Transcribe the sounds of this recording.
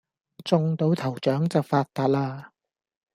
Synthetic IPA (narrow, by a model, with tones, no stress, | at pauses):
t͡sʊ˧ŋt̪o˨˥wt̪ʰɐ˨˩wt͡ʃœː˨˥ŋt͡sɐ˨wfaː˧t̚t̪aː˧˥t̚laː˧